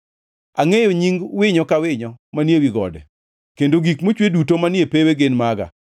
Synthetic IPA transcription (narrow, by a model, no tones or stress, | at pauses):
aŋejoɲiŋɡwɪɲɔkawɪɲɔmanjewiɡɔ̰dɛ̰ | kendoɡikmot͡ʃwedutomanjepeweɡenmaɡa̰